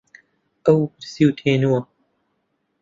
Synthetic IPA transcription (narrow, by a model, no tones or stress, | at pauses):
ʔɐwbɨɾsiwt̪ʰeːnuwɐ